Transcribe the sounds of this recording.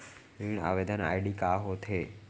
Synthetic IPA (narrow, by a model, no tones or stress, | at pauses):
ɾiɳa̰ʋed̪ʱana̰jɖikaɦot̪ʰe